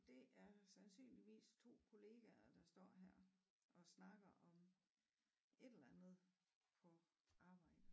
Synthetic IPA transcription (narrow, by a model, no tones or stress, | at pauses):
ɒd̥e̝ʔæɐsænsy̰ːnliʋḭːst͡sʰo̝̰ːkʰo̝le̝ːɡ̥æɐd̥ɑ̈sd̥ɒ̰ːɦæɐ̰ | ʔɒ̽snɑ̈ɡ̥ɐʔɒ̽m | e̝d̥elɐænð̞̩ˠ | pʰɒ̽ | ɑ̈ːb̥ɑ̈ɪ̰d̥ə